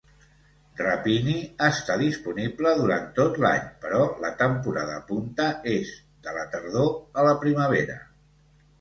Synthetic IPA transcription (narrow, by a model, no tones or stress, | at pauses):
rəpiniəst̪aðispunibləðuɾa̰nt̪ot̪la̰ɲpəɾɔlət̪əmpuɾa̰ðə̰ːpunt̪əez | d̪ələt̪əɾðoələpɾiməβ̞eɾə̰